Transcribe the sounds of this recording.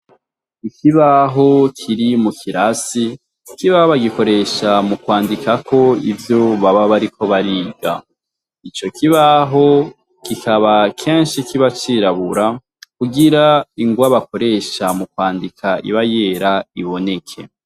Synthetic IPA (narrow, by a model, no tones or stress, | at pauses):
ikiβaɦo̞kʰiɾimukʰiɾasi | kiβahoβaɡiko̞ɾe̞ʃamukwaːndikako̞ivjo̞βaβaβaɾikʰo̞βaɾiːɡa | it͡ʃo̞kiβaɦo̞ | kikaβakʰe̞ːnʃikiβat͡ʃiːɾaβuɾa | kuɡiɾaiŋɡwaβako̞ɾe̞ʃamukwaːndikʰaḭβaje̞ɾaiβo̞ne̞kʰe̞̰